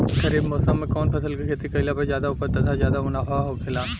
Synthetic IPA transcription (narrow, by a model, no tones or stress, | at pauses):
kɐɾiːbmɔːsəmːẽkɔːnpʰɐsəlkikʰeːt̪ikɐɪlapɐzjaːd̪aʊpəɾt̪ɐd̪azjaːd̪amʊnaːfaɦokʰɪlaː